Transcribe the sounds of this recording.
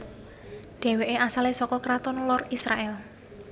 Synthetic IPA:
ɖ̪̥ɛ̤weʔeasalesɔkɔkɾat̪ɔnlɔrisɾaʔɛl

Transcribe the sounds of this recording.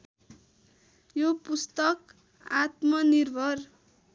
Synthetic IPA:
jopust̪ʌk | at̪mʌnirbʱʌr

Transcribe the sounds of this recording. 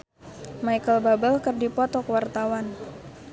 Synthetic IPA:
majkəlbabəlkərdipɔt̪ɔkəwart̪awan

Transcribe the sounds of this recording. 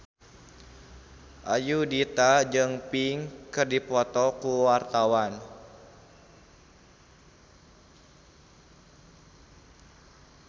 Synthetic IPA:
ʔajudit̪ad͡ʒɨŋpiŋkɨrdipɔt̪ɔkuwart̪awan

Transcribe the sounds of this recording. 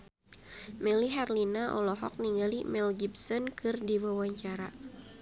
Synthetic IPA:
mɛliɦarlinaʔɔ̰lɔɦɔ̰k̚niŋɡalimɛlɡipsɔnkʰɨrdiwawaɲt͡ʃaɾa

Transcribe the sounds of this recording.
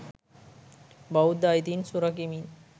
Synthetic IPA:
bawd̪ajt̪insuɾɐk̬imin

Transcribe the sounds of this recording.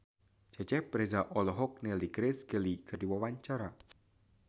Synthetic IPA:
d͡ʒat͡ʃɛpɾɛzaʔɔlɔɦɔk̚nɛliɡɾɛsɡɛlikərdiwawaɲt͡ʃaɾa

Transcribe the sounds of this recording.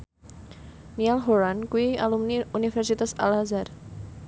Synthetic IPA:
nialɦoɾankuwialumnunifɛrsit̪asa̰lhazar

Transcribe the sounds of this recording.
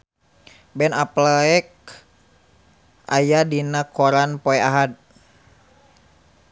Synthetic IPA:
bɛnaplɛk̚ | ʔa̰jadinakɔɾanpɔɛaɦad̪̚

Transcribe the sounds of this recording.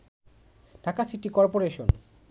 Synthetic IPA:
ɖ̥ʱakasiʈikɔɾpoɾeʃon

